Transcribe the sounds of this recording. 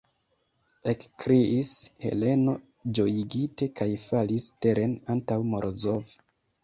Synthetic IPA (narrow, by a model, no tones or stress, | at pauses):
e̞kkɾiishe̞̰le̞no̞ | d͡ʒo̞jiɡite̞kajfaliste̞ɾʔe̞nantawmo̞ɾozov